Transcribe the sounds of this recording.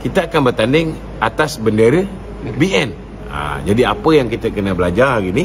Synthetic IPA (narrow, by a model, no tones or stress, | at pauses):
kit̪aːkanbərt̪andɪŋ | at̪asbəndəɾə | biɛn | a̰d͡ʒadiapəjaŋkit̪akənabəlad͡ʒarɡini